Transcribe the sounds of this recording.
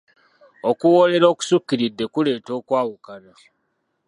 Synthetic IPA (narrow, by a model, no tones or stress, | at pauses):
o̞kuwo̞le̞ɾo̞ːku̥sukːiɾidːe̞kule̞ːto̞ːkwaːwukana